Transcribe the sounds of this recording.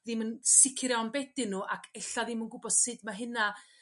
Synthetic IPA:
ðɪmənsɪkʰrjanbɛdɪnuːʔakʰɛɬaðɪmənɡʊbɔd̥sɨdmaɦɨna

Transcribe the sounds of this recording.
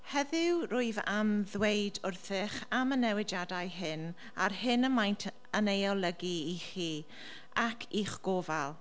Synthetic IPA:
hɛðɪwrʊɨvamðwejdʊrθɪχamənɛwɪd͡ʒadajɦɪn | a̰rhɪnəmajntʰ | ənejɔlˠəɡiiχiː | akʰiχɡ̥oːvalˠ

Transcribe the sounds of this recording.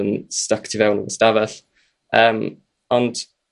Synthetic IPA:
ənstaktʰivɛwnə̰vəstavəθ | əːm | ɔnd̥

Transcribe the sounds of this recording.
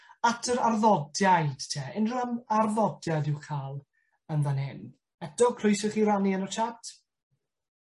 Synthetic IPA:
atʰəɾarðɔdjajd̥tʰeːɪnramarðɔdjaðɪwkʰaːlˠ | ənðanɛn | ɛtɔkʰrʊɨjsəχiːɾaniənɔt͡ʃʰatʰ

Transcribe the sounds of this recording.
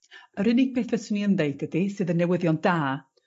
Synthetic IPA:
əɾɪnɪɡ̚beːθvɛsəniənðejd̚ɡədisɨːðənːɛwəðjɔndaː

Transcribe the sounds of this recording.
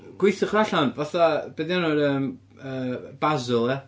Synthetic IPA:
ɡ̥wɪjθɪχraɬanvaθabedanʊɾəːm | əːb̥azʊlˠɛ

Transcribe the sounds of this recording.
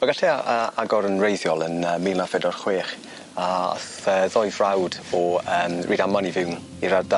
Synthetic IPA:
maɡaɬɛaəaɡɔɾənrejθjɔlˠənəːmiːlˠnafɛdɔrχweːχ | aa̰s | əːðɔjvrawd̥ɔəːmrʔiːdamanivɪwn | iɾada

